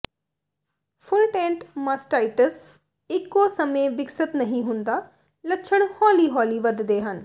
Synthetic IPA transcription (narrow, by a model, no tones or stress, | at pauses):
fʰʊlʈẽːɳʈməsʈaːɪʈəs | ɪkːoːsəmẽʋɪksət̪nəɦĩɦʊ̃nd̪aː | ləːʃʰəɳ̃hɔːliːɦɔːliːʋəd̪d̪eːɦən